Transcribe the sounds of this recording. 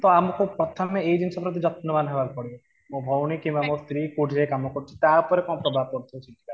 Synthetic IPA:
t̪ɔamɔkupɾɔt̪ʰɔmeejd͡ʒinisɔpɾɔt̪̬id͡ʒɔt̪̚nɔmanɦebalkɔɽi | mũbʱɔwñikimamɔst̪ɾikuɖʱekamɔkɔɾt͡ʃʰi̥t̪aupɔɾekɔ̃pɾɔbʱab̚kɔɾt̪ʰiut͡ʃʰikila

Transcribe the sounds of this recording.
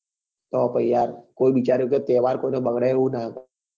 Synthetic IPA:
t̪opəjjaɾkoːibit͡ʃaːɾjoket̪eːʋaːɾkoːinobəɡɽeũnaːk̪

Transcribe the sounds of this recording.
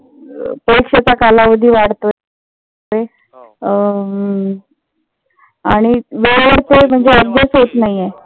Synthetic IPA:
pɾəɾikʂat͡sakalaʋəd̪ʱiːʋaɽt̪o | e | aɽ̃iʋeɭʋəɽt̪em̤əɳd͡zeədd̪esɦot̪naɦije

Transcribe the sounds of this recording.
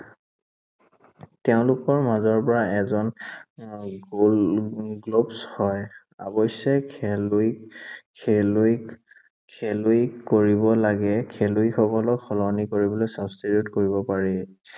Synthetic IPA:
tɛʊ̃lʊkɔɹmazɔɹpɔɹaɛzɔn | ɡlobshɔj | a̰bɔsɔl | kʰel | kʰeluikoɹibɔlaɡɛkʰeluixɔkɔlɔkxɔlɔnikoɹibɔlojsabstiɹjutkoɹibɔpaɹi

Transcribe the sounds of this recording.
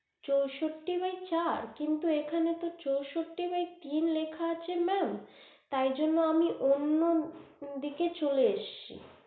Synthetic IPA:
t͡ɕowʃoʈːibajt͡ɕaɾkint̪uekʰanet̪ot͡ɕowʃoʈːibajt̪inlekʰaat͡ɕʰemɛm | t̪ajd͡ʑonːoamiʔonːod̪iket͡ɕoleeʃt͡ɕʰḭ

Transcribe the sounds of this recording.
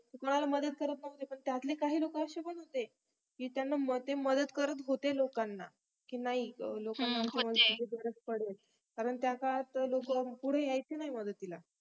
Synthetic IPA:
t̪ekoɽ̃alaməd̪ət̪̚kəɾət̪̚nəɦt̪epəɳt̪jat̪lekaɦiːlokəəɕepəɳɦot̪e | kiːt̪janːamt̪eməd̪ət̪kəɾət̪ɦot̪elokanːa | kiːnaɦilokamansəməd̪ʱeɡebəɾət͡spəɽ̤el | kaɾəɳt̪jakat̪əlokəpuɽ̤eajt͡senaɦiməd̪ət̪ila

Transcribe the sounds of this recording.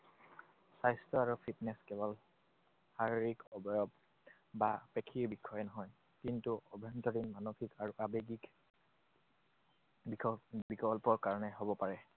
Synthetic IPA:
sajstɔaɹupʰitnɛskɛbɔl | haɹiɹikɔbɔjɔb | bapekʰiɹbikʰːɔjɛnɔɦɔj | kintuɔbʱɔntɔdinmanokʰikaɹuʔabeɡik | bikɔlpɔɹkaɹɔnɛɦobɔpaɹɛ

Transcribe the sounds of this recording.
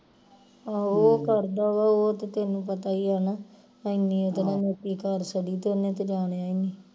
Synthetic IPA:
aːoːkəɾd̪aːʋaːoːt̪et̪eːnũːpət̪aːiːaːnaː | əɪnĩːot̪ːnẽːneːt̪iːkəɾsəɖiːt̪oːnẽːt̪eːd͡ʒaːɽ̃eːaːiniː

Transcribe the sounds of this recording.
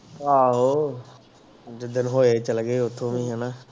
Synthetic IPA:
ɦaːɦoː | d͡ʒɪd̪ːənɦoːet͡ʃəlɡeːʊt̪ʰːõːʋĩːɦɛːnaː

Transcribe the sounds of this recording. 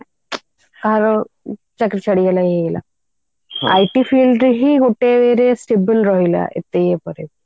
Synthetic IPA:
kaɦaɾɔ | t͡ɕakɾit͡ɕʰaɽiɡɛlaɦeɡɛla̰ | a̰jʈifilɖɦiɡoʈeʋeɾesʈebənɾɔɦila̰ʔḛt̪ejepɔɾe

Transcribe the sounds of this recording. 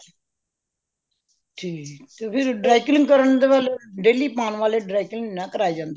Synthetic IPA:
ʈʰiːt̪eːpʰɪɾɖɾaːɪklɪ̃ŋɡkəɾəɳd̪eːʋalɖeːliːpaːnʋaːleːɖɾaːɪkəlɪ̃ŋɡnãkəɾaːjd͡ʒãːnd̪

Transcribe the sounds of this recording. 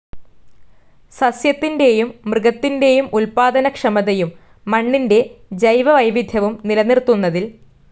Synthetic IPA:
sɐsjɐt̪ːinde̞jumːrɨɡɐt̪ːinde̞jumulpaːd̪ɐnɐkʂɐmɐðejumː | ɐɳːinde̞d͡ʑɐjʋɐʋɐjʋid̪ʱjɐʋumnilɐnirt̪ːunːɐðil

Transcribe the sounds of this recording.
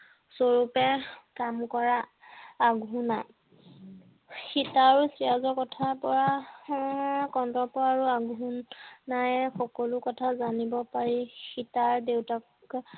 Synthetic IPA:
soɹupɛkamkɔɹaː | ɡʱuna | xitaɹusiazɔkɔtʰapɔɹa | kɔntɔpɔaɹuaɡʱunːajxɔkɔlʊkɔtʰazanibɔpaɹixitaɹdewta | k

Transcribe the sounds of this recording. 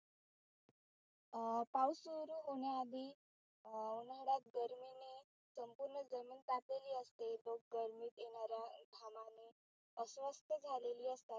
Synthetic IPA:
pawsʋəɾuːɦoɳ̃jaːd̪ʱiː | unəɽat̪̚ɡəɾmine | səmpuɾɳəd͡zəmiːnt̪ap̪leliːəst̪elok̚ɡəɾmiːt̪jenaɾjaɡʱamane | əsʋəst̪ʰəd͡zʱaleliːəst̪at̪

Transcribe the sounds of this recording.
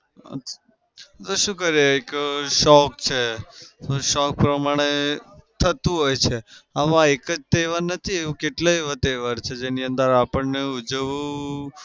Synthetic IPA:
t̪oʃũkəɾjeekʃɔk̚t͡ʃʰet̪oʃɔk̚pɾəmaɽ̃et̪ʰət̪ũɦojt͡ʃʰeaʋãekəd͡ʒt̪eʋaɾnət̪ʰieũkeʈlajʋət̪eʋaɾt͡ʃʰed͡ʒeniənd̪əɾapəɳneud͡ʒəʋu

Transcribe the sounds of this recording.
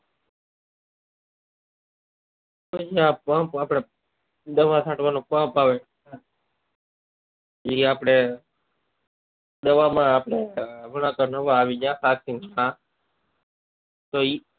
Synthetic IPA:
kod͡ʒjãːpãːpaːpɽe | d̪əʋãːsʰãːʈʋaːnõkãːpaːʋeː | iːaːpɽe | d̪əʋaːmãːaːpɽeʋəɽãːkənəʋaːʋiːd͡ʒãːkaːk̚ĩnd͡ʒãː | t̪oːiː

